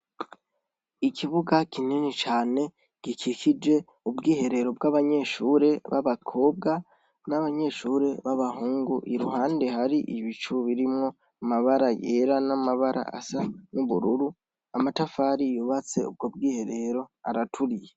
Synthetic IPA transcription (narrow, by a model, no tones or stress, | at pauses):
ikʰiβuɡakin̥enit͡ʃaːne̞ | ɡ̥ikʰikʰid͡ʒe̞ | ubɡiːhe̞ɾe̞ɾo̞bɡaβaɲe̞ːʃuːɾe̞βa̰βakʰo̞ːb̚ɡa | naβaɲe̞ːʃuːɾe̞βaβahuːŋɡuʔiɾuhaːnde̞haɾiʔiβit͡ʃuβiɾimŋo̞ | amaβaɾajeɾanamaβaɾa̰a̰sanuβṵɾuɾu | amatafaːɾijuβat͡se̞̰ṵb̚ɡo̞b̚ɡiːhe̞ɾe̞ɾo̞aɾatʰuɾije